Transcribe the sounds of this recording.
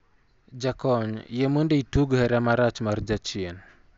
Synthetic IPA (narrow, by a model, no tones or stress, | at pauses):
d͡ʒakɔɲjemundəjtuɡheɾamaɾat͡ʃmaɾd͡ʒat͡ʃien